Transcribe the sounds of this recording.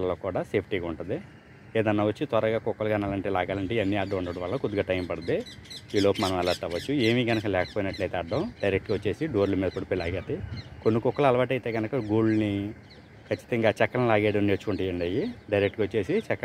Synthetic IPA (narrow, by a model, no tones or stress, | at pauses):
lɐloːkuːɽaːseːpʰʈiːɡaːuɳʈund̪i | eːd̪ɐnːɐːʋɐt͡ʃːit̪ʋɐɾɐɡaːkɔkːɐlɡaːnaːlɐɳʈeːlaːɡaːlɐɳʈeɐnːiaːɖːɐmuɳɖɐːɽɐʋaːɭɐokud̪iɡaʈɐjmpɐɽɐd̪eiːloːpɐmɐnɐmɛlːɐʈ̪ːaːʋɐt͡ʃːue̞ːmiːɡɐnɐkɐlɛːkɐpoːjinɐʈlɐjt̪eːɐɖːɐmɖɐjɾek̚ʈɡʋɐt͡ʃːe̞ːsiɖoːɾlɐmiːd̪ɐpoɽipejlaːɡaːt̪ekonːikɔkːɐlɐlɐʋaːʈɐjt̪e̞ːɡɐnɐkɐɡoːɭni | kʰɐt͡ʃːi̥t̪ɐŋɡaːt͡ʃɛkːɐnɐlaːɡɛːɽɐmneːt͡ʃukuɳʈijɐɳɖɐjiɖɐjɾek̚ʈɡɐʋɐt͡ʃːe̞ːsit͡ʃɛkːɐ